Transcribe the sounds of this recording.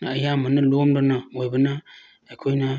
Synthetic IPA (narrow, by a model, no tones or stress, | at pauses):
naajamanəlomdɨnawobɨna | akʰoina